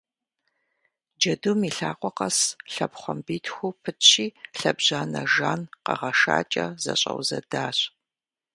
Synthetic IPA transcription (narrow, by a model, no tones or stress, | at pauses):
d͡ʒɐdumiɬaːqʷʼɔqɐsɬɐbχʷɔmbiːtʰxʷupʰɨtʰɕiːɬɐbʑaːnɐʒaːnqɐʁɐʂa̰ːt͡ʃʼɐzɐ̰ɕʼɐ̰wzɐdaːɕ